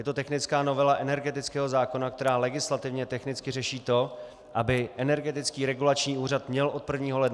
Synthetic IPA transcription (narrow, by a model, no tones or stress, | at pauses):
jɛt̪ot̪ɛxnɪt͡skaːno̞vɛlaʔɛnɛɾɡɛt̪ɪt͡skɛːɦo̞zaːko̞nak̚t̪ɛɾaːlɛɡɪslat̪ɪvɲɛt̪ɛxnɪt͡skɪrɛʃiːt̪o̞ | ʔabɪʔɛnɛɾɡɛt̪ɪt͡skiːɾɛɡulat͡ʃɲiːuːrat̪mɲɛlʔo̞t̪̚pr̩vɲiːɦo̞lɛd